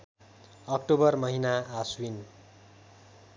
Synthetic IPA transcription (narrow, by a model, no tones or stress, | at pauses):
ʌk̚ʈobʌrmʌɦinaːswin